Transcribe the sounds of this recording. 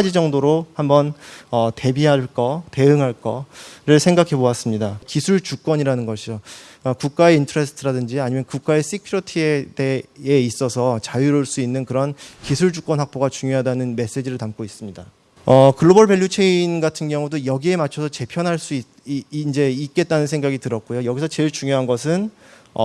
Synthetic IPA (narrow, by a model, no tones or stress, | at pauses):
d͡ʑid͡ʑʌŋdoɾohambʌnʌte̞biɦaɭk͈ʌte̞ɯŋɦaɭk͈ʌɾɯɭsʰe̞ŋɡakʰe̞boas͈ɯmɲidakisʰuɭt͡ɕuk͈wʌɲiɾanɯnɡʌɕʰid͡ʑo | ʌkuk̚k͈ae̞intʰoɾesʰtʰɯɾadɯnd͡ʑiaɲimjʌnkuk̚k͈ae̞s͈ikʰiɾotʰie̞deːis͈ʌsʰʌt͡ɕajuɾoɭs͈uinːɯnkɯɾʌnkisʰuɭd͡ʑuk͈ʌnɦak̚p͈oɡat͡ɕuŋjoɦadanɯnme̞s͈e̞d͡ʑiɾɯɭtamk͈ois͈ɯmɲida | ʌkɯɭːobʌɭbe̞ɭjut͡ɕʰeinɡatʰɯnɡjʌŋudojʌɡie̞mat͡ɕʰʌsʰʌt͡ɕe̞pʰjʌnɦaɭs͈ui | nd͡ʑe̞it̚k͈e̞t̚t͈anɯnsʰe̞ŋɡaɡitɯɾʌk̚k͈ujojʌɡisʰʌt͡ɕe̞ɭt͡ɕuŋjoɦanɡʌs̬ʰɯn | ʌ